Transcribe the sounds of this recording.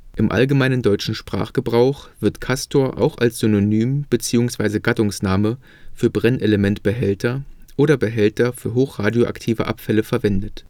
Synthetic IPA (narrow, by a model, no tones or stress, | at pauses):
ʔɪmʔa̰lɡəmaɪnəndɔʏt͡ʃn̩ʃpʁ̥a̰ːχɡ̥əbʁaʊxv̥ɪɐtkʰastʰoːɐʔa̰ʊxa̰lsz̥ʏnonyːmb̥ət͡siːʊŋsv̥aɪzəɡatʊŋsnaːmə | fyːɐbʁɛnʔeləmɛntb̥əɦɛltɐʔoːɾɐbəɦɛltɐfyːɐɦoːxʁ̥aːdjoʔa̰ktʰiːvə̰ʔa̰pfɛləfɛɐvɛndət